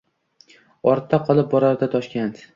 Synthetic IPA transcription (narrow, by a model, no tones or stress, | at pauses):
ɒɾt̪ʰːaqʰɒlˠɪp̚bɒɾaɾd̪at̪ʰɒʃkʲant̪